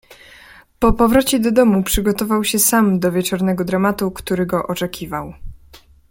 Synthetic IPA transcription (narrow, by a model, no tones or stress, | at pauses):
pɔpɔvɾɔt͡ɕɛd̪ɔd̪ɔmupʂɘɡɔt̪ɔvawɕɛsamd̪ɔvʲjɛt͡ʂɔɾnɛɡɔd̪ɾamat̪ukt̪uɾɘɡɔʔɔt͡ʂɛkʲʰivaw